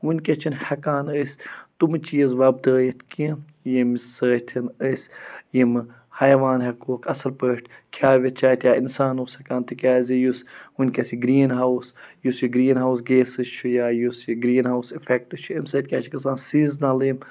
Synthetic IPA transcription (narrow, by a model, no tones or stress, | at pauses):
unʲkʲɐt͡ʃʰinhɐkaːnəsʲt̪umɨt͡ʃijɐzʋɐb̚d̪əːjit̪ʰkĩ | jimsəːt̪ʰinəsjimɨ | hɐjʋaːnɦɐkoːkʰɐsɐlpəːʈkʰaːʋʲɐt̪̚t͡ʃʰaːt̪ʰjaːinsaːnoːshɐkaːnt̪ɨkʲaːzijusunʲkʲɐsiɡɾiːnɦawsjusjuɡɾiːnɦaws̬ɡeːsɨt͡ʃʰujaːjusɡɾiːnɦawsifɛk̚ʈɨt͡ʃʰuɐmsɐːt̪̚ʲkʲaːt͡ʃʰikinsaːnsiːznɐlim